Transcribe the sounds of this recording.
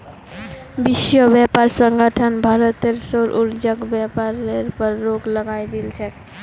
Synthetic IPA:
bisjəbjɛpaɾsəŋɡəʈʰənbʱaɾət̪eɾsoɾʔuɾd͡ʒəkbjapaɾeɾpəɾːoɡləɡajd̪ilt͡ʃʰɛ

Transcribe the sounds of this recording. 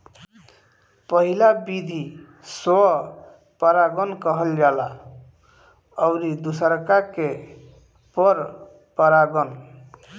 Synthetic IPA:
pəɦilabid̪ʱi | s | pəɾaɡənkəɦəld͡ʒala | əʊɾid̪usəɾkake | pəɾ | pəɾaɡən

